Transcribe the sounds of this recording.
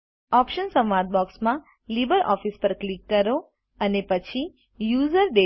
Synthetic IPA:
ɔpʃənsəmʋaɾt̪̚bɔksmã | libəɾʔɔ̰fispəɾklikːəɾo | ənepət͡ʃʰi | juzəɾɖe

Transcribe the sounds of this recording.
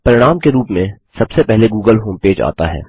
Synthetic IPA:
pɐɾɪɽ̃aːmkeɾuːpmẽ | sɐbsepɛɦleɡuːɡəlɦoːmpeːd͡ʒa̰ːt̪a̰ɦɛ̰ː

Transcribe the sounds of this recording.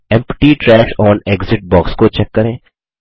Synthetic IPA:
ɛ̃mpʈiːʈɾɛːʃɔːneːɡzɪʈ̚bɔːkskot͡ʃɛkːəɾẽː

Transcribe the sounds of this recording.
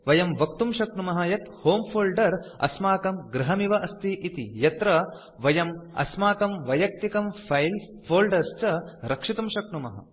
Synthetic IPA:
ʋɐjɐmʋɐkt̪umʃɐkɳumɐɦɐjɐt̪hoːmpʰoːlɖɐɾɐ̰smaːkɐmɡɾɐɦɐmiʋɐʔɐst̪ʰiʔit̪ijɐt̪ɾɐ | ʋɐjɐmɐ̰smaːkɐmʋɐjɐk̚t̪ikɐmfʰɐjl | fʰoːlɖɐɾst͡ʃɐɾɐkʂit̪umʃɐkɳumɐɦɐ̰

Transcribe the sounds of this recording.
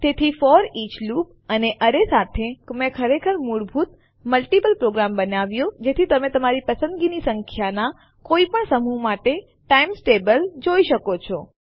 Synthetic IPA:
t̪et̪ʰifɔɾit͡ʃlup | əneʔəɾesat̪ʰemɛ̃kʰəɾekʰəɾmuɭbʱut̪ | məlʈipəlpɾoɡɾambənaʋjõd͡ʒet̪ʰit̪əmet̪əmaɾipəsə̃nd̪ɡinisəŋkʰjana | koipəɳsəmumaʈe | ʈaimsʈebəld͡ʒoiʃəkot͡ʃʰɔ

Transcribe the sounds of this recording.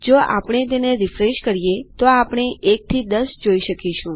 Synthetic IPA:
d͡ʒoʔa̰pɳ̃et̪̬eneɾifɾeʃkəɾijet̪oapɽ̃eek̚t̪ʰid̪əsd͡ʒoiʃəkiʃũ

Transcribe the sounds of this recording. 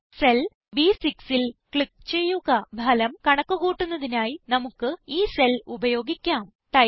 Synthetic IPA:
sel | biːsiksilkɭikːt͡ɕe̞jːuɣɐbʱɐlɐmkɐɳɐkːuɣuːʈːunːɐðinaːjinɐmukːɨiːse̞lubɐjo̞ːɡikʲːaːm | ʈɐ

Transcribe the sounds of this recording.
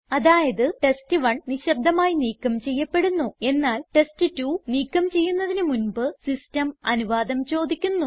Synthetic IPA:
ɐðaːjɐðɨʈe̞stɨʋɐɳniɕɐb̚d̪ʱːɐmaːjiniːkːɐmt͡ɕe̞jːɐpːe̞ɽunːue̞nːaːlʈe̞stɨtuːniːkːɐmt͡ɕe̞jːunːɐðinɨmunbɨsistɐmɐnuʋaːd̪ɐmt͡ɕo̞ːd̪ikʲːunːu

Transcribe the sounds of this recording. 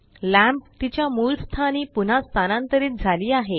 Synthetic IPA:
læ̃mpt̪it͡ɕjamuːlst̪ʰaniːpun̤ast̪ʰanãnt̪əɾiːt̪̚d͡zʱaliːaɦe

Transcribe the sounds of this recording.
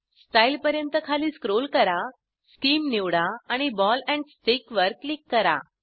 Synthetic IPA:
sʈailpəɾjənt̪əkʰaliːskɾolkəɾa | skiːmneʋɽaaɽ̃ibɔlɛ̃ɳɖsʈekʋəɾkːlikːəɾa̰

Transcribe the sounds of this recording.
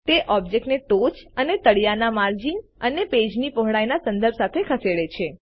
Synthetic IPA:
t̪eʔɔbd͡ʒek̚ʈneʈot͡ʃənet̪əɭjanamaɾd͡ʒinəneped͡ʒnipoɦɽajnasənd̪əɾb̚sat̪ʰekʰəseɽet͡ʃʰe

